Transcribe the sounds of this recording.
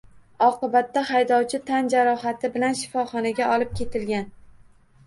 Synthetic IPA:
ɒqɨbat̪ːahajd̪ɒwt͡ʃʰɪt̪ʰand͡ʒaɾɒɦat̪ʰɪbɪlanʃɪ̥fɒχɒnaɡʲaʔɒlˠɪp̚kʲʰe̞t̪ʰɪlɡʲan

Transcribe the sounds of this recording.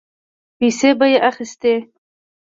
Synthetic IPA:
pisebajeʔaxist̪e

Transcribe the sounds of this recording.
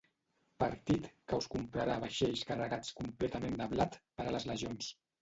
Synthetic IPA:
pəɾt̪it̪kəwskumpɾaɾaβəʃeʎskərəɣat͡skumplɛt̪əmend̪əβlat̪pəɾələzləʒons

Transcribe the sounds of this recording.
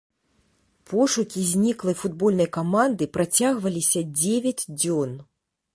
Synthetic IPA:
pʰɔʂukʲizʲnʲiklˠɐjfud̪bɔlʲnɐjkamand̪ɨpɾat͡sʲaɣvɐlʲisʲɐd͡zʲevʲɐd͡zʲd͡zʲɔn

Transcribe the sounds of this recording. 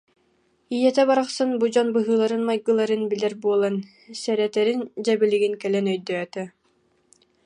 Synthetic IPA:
ijɛt̪ɛbaɾaχsɯnbud͡ʑɔnbɯɦɯːlˠaɾɯnmajɡɯlˠaɾɯnbilɛɾbuɔlˠan | sɛɾɛt̪ɛɾind͡ʑɛbiliɡinkɛlɛnœjd̪œt̪ɛ

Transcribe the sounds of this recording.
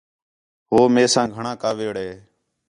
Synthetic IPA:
ɦoːmeːsãːɡʱəɳãːkaːʋeːɽeː

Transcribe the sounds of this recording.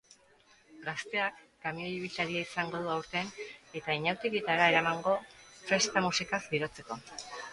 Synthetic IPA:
ɡast̪e̞akːamioβit̪aɾiaisaŋɡo̞ðuawɾt̪e̞ne̞t̪aiɲawt̪eɣit̪aɾae̞ɾamaŋɡo̞fɾe̞st̪amusikakd̪iɾo̞t͡se̞ko̞

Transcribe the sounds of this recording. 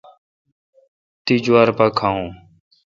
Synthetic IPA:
t̪iːd͡ʒʊwaːɾpaːkʰaːɦũː

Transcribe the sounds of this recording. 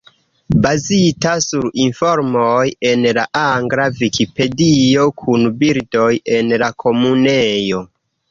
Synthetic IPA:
bazitasuɾinfo̞ɾmoje̞nlaʔaŋɡɾavikipe̞dio̞kʰunbiɾdo̞je̞nlakʰo̞munejo̞

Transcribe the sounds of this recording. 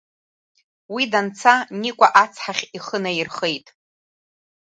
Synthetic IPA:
widant͡sʰanikʷʼaʔat͡sʰħaχʲiχənairχejtʼ

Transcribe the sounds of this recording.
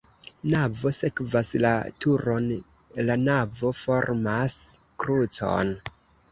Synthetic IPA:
navo̞se̞kvasla̰tʰuɾo̞n | lanavo̞fo̞ɾmas | kɾut͡so̞̰n

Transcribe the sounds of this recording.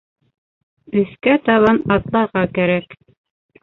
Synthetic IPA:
ɵ̆θkæt̪ɑβɑnɑt̪lˠɑɾʁɑkæɾæk

